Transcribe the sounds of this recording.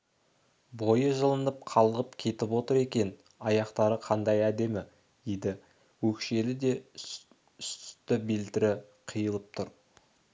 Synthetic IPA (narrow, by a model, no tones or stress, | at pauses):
bo̞jəʒəlˠənəp̚qʰɑlˠʁəpkʲʰe̞t̪ɪpwo̞t̪əɾe̞kʲe̞n | ɑjɑqt̪ɑɾəqʰɑnd̪ɑjæd̪e̞mɪ | d̪ejd̪ɪ | wɵkʃe̞lɪd̪e̞ | ʏst̪ɪbelt̪ɪɾɪ | qʰijəlˠəp̚t̪ʰʊɾ